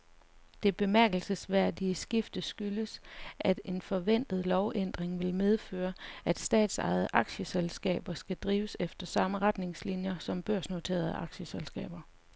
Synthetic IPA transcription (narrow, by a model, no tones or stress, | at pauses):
d̥e̝b̥e̝mæɐɡ̥l̩səsʋæɐ̰d̥iəsɡ̥ifd̥əsɡ̥yləsʔæd̥e̝nfɒ̽ʋen̰d̥ð̞̩ˠlɒʊʔen̰d̥ʁeŋʋe̝lmeð̞ˠføːɐæd̥sd̥ɛ̰ːd̥sɑ̈ɪð̞̩ˠʔɑ̈ɡ̥ɕəselsɡ̥ɛ̰ːb̥ɐsɡ̥æd̥ʁiːʊəsefd̥ɐsɑ̈məʁad̥ne̝ŋslinjɐsɒ̽mb̥ɶɐ̰sno̝t͡sʰe̝̰ːɐð̞̩ˠəʔɑ̈ɡ̥ɕəselsɡ̥ɛ̰ːb̥ɐ